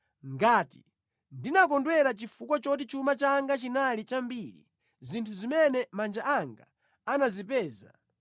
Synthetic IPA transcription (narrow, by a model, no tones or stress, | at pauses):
ŋɡaːti̥̰ | ndinakɔndwɛɾat͡ʃifukwɔt͡ʃɔt̬it͡ʃumat͡ʃaŋɡat͡ʃinalit͡ʃambiɾḭ | zintʰuzimɛnɛmand͡ʒaaŋɡa̰ | anazip̬ɛːza̰